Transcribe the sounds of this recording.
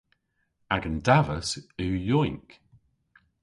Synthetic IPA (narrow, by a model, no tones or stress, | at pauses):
aɡəndavəsʉːjɔjŋk